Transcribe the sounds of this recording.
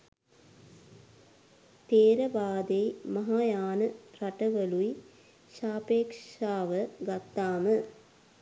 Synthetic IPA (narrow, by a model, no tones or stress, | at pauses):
t̪eːɾɐbaːd̪ejmɐɦaːjaːnəɾɐʈəʋəlui | ʃaːpeːkʂaːʋəɡɐt̪ːaːmə